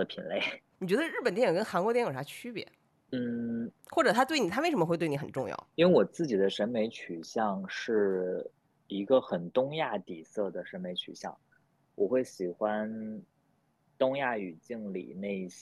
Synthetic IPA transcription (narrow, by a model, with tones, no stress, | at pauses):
pʰḭ˨˩nle˥˩ɪni˨˩t͡ɕɥɛ˧˥d̪ə˧ɻ̩˥˩pə˨nt̪jɛ˥˩jɤ˨˩kə˥nxa˧˥nkwɔ˧˥t̪jɛ˥˩jʂʰa˥t͡ɕʰy˥pjɛ̰˧˥ | n̩˥˩ | xwɔ˥˩ʈ͡ʂɤ˨˩t̪ʰa˥t̪we˥˩nʰ˨˩a˥e˥˩ɪʂə˧˥mə˧xwɪt̪wɪn˧˥xə˨˩n˩ʈ͡ʂʊ˥˧ŋjɑ̰˥˩ʊi˥we˥˩ɪwɔ˨˩t͡sɹ̩˥˩t͡ɕi˨˩d̪ə˦ʂə˧˥nme˧˥ɪt͡ɕʰy˨˩ɕjɑ˥˧ŋʂɻ̩˥˩ | i˧˥ɡə˧xə˨˩nt̪ʊ˥ŋja˥˩t̪i˨˩sɤ˥˩d̪ə˩ʂə˧˥nme˧˥ɪt͡ɕʰy̰˨˩ɕjɑ̰˥˩ŋ | wʔɔ˨˩xwe˥˩ɪɕi˨˩xwa˥n | t̪ʊ˥ŋja˥˩y˨˩t͡ɕi˥˩ŋlḭ˨˩ne˥˧ɪ˥˩